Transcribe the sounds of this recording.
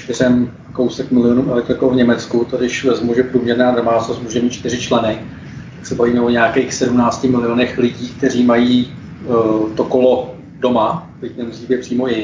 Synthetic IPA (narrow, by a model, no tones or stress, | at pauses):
ʃt̪ɪrɛm | ko̞wsɛkmɪlɪonuːɛlɛkt̪ɾɪkovɲɛmɛt͡skut̪odɪʃvɛzmuʒɛpɾuːmɲɛɾnaːdomaːt͡ssosmuːʒɛmiːt̪̚t͡ʃt̪ɪrɪt͡ʃlɛnɪ | t̪aksɛbaviːmɛoɲɛakejxsɛdumnaːt͡scɪmɪlɪonɛxlɪɟiːk̚t̪ɛr̝iːmajiː | t̪okolo | do̞mat̪ɪcnɛmuziːbjɛpr̥iːmo̞jɪ